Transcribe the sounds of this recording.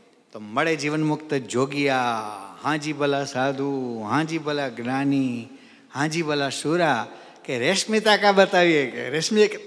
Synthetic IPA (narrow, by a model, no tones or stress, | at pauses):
t̪oməɽed͡ʒiʋənmʊkt̪əd͡ʒoːɡijahãːd͡ʒibəlasaːd̪ʱuɦãd͡ʒibʱəlaɡnaːni | hãːd͡ʒibəlasuɾa | keɾeʃmit̪akabət̪aːʋieḛɾeʃmi